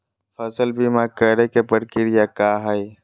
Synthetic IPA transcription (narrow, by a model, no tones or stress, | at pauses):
fəsəlbimakəɾekepəɾkɪɾjakaːɦəi